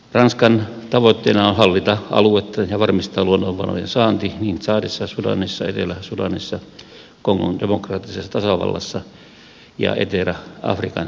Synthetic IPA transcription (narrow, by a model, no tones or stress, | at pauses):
rɑnskɑn | t̪ɑʋot̪ːeːnɑonhɑlːit̪ɑɑ̰luet̪ːɑjɑʋɑrmist̪ɑːluonːoʋʋɑ̰no̰jḛnsɑːnt̪iniːnsɑːdisːɑsudɑ̰nisːɑet̪elæsudɑnisːɑ | koŋːo̰ndemokrɑːt̪ːisesːɑt̪ɑsɑʋɑ̰lːɑ̰sːɑ | jɑ̰ḛt̪elæʔɑ̰frikɑn